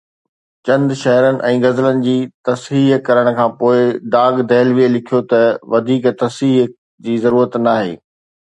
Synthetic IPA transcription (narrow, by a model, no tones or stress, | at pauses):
t͡ɕɐ̃nd̪ʃɐɦɾənɪ̆ʔɛ̃ːɣɐzlənɪ̆d͡ʑiːt̪ɐsɦiːɦkɐɾəɽ̃̆kʰãːpoːɪɖ̪aːɡd̪ʱɛːlʋielɪkʰijot̪ɐʋɐd̪ʱiːkt̪ɐsiːɦ | d͡ʑiːzɐɾuːɾət̪naːɦḛː